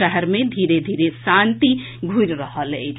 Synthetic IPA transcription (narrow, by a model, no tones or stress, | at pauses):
əɦɛɾmẽd̪ʱiːɾed̪ʱiːɾesant̪i | ɡʱuɾɾəɦəlḛɪt͡ʃʰ